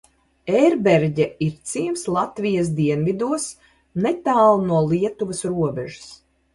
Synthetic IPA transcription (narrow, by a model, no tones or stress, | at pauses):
ɛɾbɛɾɟɛiɾt̪siːmslˠat̪vijas̬d̪iɛnvid̪uɔs | nɛt̪aːlˠnuɔlˠiɛt̪uvɐsɾuɔbɛʒu̥s